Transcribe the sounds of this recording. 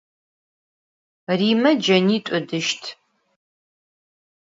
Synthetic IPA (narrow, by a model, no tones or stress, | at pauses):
riːmɐd͡ʒɐniːtʷʼʊdɨʃtʰ